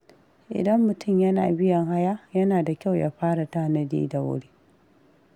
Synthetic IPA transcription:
ʔɪ̰˨dɐ˦mːʊ˨tʊ˦˨mjɐ˦na̰ː˨bɪ˦jɐ˨ŋha˦ja˦jɐ˦naː˨da˨kʲa˦˨wja̰˦ɸaː˦ɽa˨ta˦˨nɐ˦dḭː˦da˨wʊ̰˦ɽeː˦

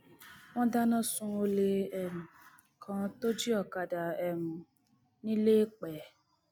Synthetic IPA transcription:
w̃ɔ̃˦da˦nã˦sũ˧o˧le˧ɛ˨mũ˨ | kʰã˧˦to˦d͡ʒi˦ɔ˨ka˨da˨ɛ˨mũ˨ | nĩ˦leː˦k͡pɛ˨˦

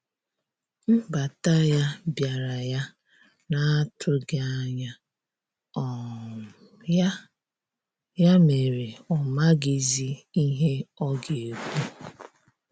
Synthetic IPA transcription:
m̩˦ba˨ta˦ja˦bja˨ɾa˨ja˦ | na˦a˦tʰʊ˦ɡe˦a˦ɲa˦˨˦ | ja˦me˨ɾe˨ɔ˨ma˦ɡi˨zi˦i˦ɦe˦ɔ˦ɡe˨e˨ku˦

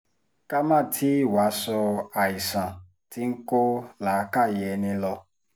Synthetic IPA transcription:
ka˦mã˦˨tʰi˦wa˨˦sɔ˧a˨i˨sã˨ | ti˦ŋ̩˦ko˦la˨˦ka˦˨jɛ˨nĩ˧lɔ˧

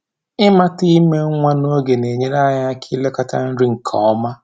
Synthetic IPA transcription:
ɪ˦ma˦ti˦me˦ŋʷa˦no˦ɡe˨ne˨ɲe˦ɾa˦ɲa˦kʰi˦le˦ka˦ta̰˦n̩˦ɾi˦ŋ̩˨kʰɔ̰˨ɔ˦ma˦

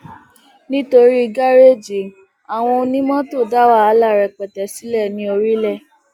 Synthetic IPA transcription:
nĩ˦to˧ɾi˦i˧ɡa˦ɾe˦˨d͡ʒi˨ | a˨w̃ɔ̃˧o˧nĩ˦mɔ̃˦to˦˨da˦wa˦a˧la˦˨ɾɛ˨k͡pɛ˨tɛ˨si˨˦lɛ˦˨nĩ˧˦o˧ɾi˦lɛ˦˨

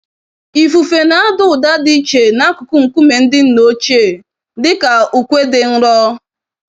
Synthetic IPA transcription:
i˨fu˨fe˨na˨a˦dʊ˨ʊ˨da˦di˦t͡ʃe˨na˦kʊ˨kʊ˦ŋ̩˨ku˦me˨n̩˦dɪ˦n̩˦no˦t͡ʃe˦˨ | dɪ˦ka˨u˨kʷe˦dɪ˨n̩˦ɾɔ˦

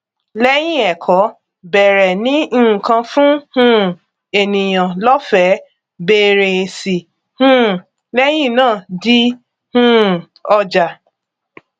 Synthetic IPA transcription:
lɛ˦j̃ĩ˦˨ɛ˨kʰɔ˨˦ | bɛ˨ɾɛ˨nĩ˦˨kã˧fũ˦hũ˦˨ | e˨nĩ˨j̃ã˨lɔ˦fɛ˨˦ | be˧˦ɾe˨si˨ | hũ˦˨ | lɛ˦j̃ĩ˦˨nãː˦˨di˦ | hũ˦ | ɔ˧d͡ʒa˨

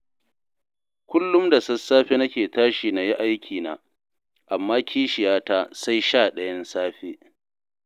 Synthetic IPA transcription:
kʷʊ˦lːʊ˦mda˨sɐ˦sːaː˦ɸe˦nɐ˦kʲeː˨taː˦ʃi˨na˨ji˦ʔa˦jkʲʰiː˨na̰ː˨ | ʔa˨mːaː˦kʲiː˦ʃɪ˨jaː˦taː˦sa˦jʃaː˦˨ɗɐ˦jɐ˦nsaː˦ɸeː˦

